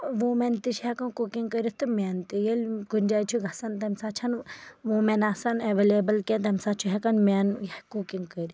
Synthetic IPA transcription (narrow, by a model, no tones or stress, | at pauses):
ʋoment̪it͡ʃʰiɦɛkɐnkoːkiŋɡkəɾit̪ɨmʲaːnt̪ijelʲɡund͡ʒaːjt͡ʃʰuɡʱɐsɐnt̪ɐmsaːt͡ʃʰɐnʋomenaːsaneʋeleːbɐlkʲet̪̬ɐmʲsaːt͡ʃʰuɦekɐnmʲaːnjkukiŋɡkəɾʲi